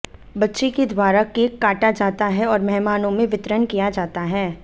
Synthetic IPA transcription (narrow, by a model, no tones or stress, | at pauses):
bɐtːʃeked̪waːɾakeːkːaːʈad͡ʒaːt̪aɦɛɔːɾmɛɦmaːnõmẽʋɪt̪ɾənkijad͡ʒaːt̪aɦɛː